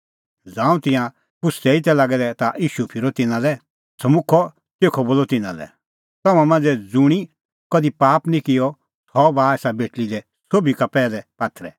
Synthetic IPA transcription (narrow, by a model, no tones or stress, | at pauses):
d͡zãːũt̪ɪ̃jã | kʊsɛɪt̪ɛlaɡɛd̪ɛt̪aʔiːʃupʰɪɾɔt̪ɪnãlɛ | sɐmʊkʰɔ | teːkʰɔboːlɔt̪ɪnã̰lɛ̰ | t̪ɐmãmãːnd͡zɛd͡zʊɽ̃i | kɐd̪ipaːpnĩkɪjɔ | t̪ʰɔbaːɛːsabeʈlid̪ɛ | soːbikapɛːlɛpaːt̪ʰɾɛ